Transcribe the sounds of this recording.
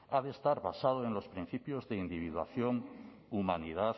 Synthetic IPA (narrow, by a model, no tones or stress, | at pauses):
aðest̪aɾβa̰sað̞oenlo̞spɾin̟θipjozðeind̪iβ̞iðwa̰θjoŋ | umaniðaθ